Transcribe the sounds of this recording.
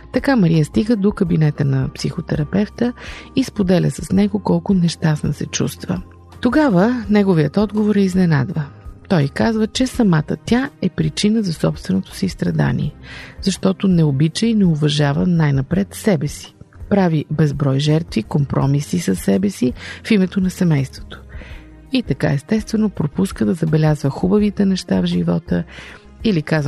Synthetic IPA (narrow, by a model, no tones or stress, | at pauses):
t̪ɐkamɐɾijəst̪iɡəd̪okɐbinɛt̪ənɐpsixot̪ɛɾɐpɛft̪əispod̪ɛlʲə̰sɐsnɛɡokɔlˠkʊnɛʃt̪asnɐ̰sɛt͡ʃṵst̪və̰ | t̪oɡavənɛɡoviət̪ɔd̪ɡovoɾɛiznɛna̰d̪vət̪ɔjkazvət͡ʃɛsɐmat̪ə̰t̪ʲaɛpɾit͡ʃinəzɐsɔpst̪vɛnot̪o̥siist̪ɾɐd̪a̰nḭɛz̥ɐʃt̪ɔt̪onɛobit͡ʃəinɛʊvɐʒavənajnɐpɾɛt̪sɛbɛsi̥pɾavibɛzbɾɔjʒɛɾt̪vikompɾʔɔ̰misisɐsːɛbɛsifimɛt̪onɐsɛmɛjst̪vo̥t̪o̥ | it̪ɐka̰ɛst̪ɛst̪vɛnopɾopuskəd̪ɐzɐbɛlʲazvəxubəvit̪ɛnɛʃt̪avʒivɔt̪ə | ilikaz